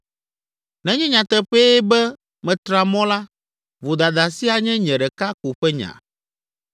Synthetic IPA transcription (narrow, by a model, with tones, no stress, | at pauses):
nɛ̃˨ɲɛ̃˦ɲã˨t̪ɛ˨ɸe˦bɛ˦ | mɛ̃˨t̪ɾa˨mɔ̃˦la˦ | vo˨d̪a˨d̪a˨si˦a˨ɲɛ̃˦ɲɛ̃˨ɖɛ˨ka˦ko˨ɸɛ˦ɲã̰˨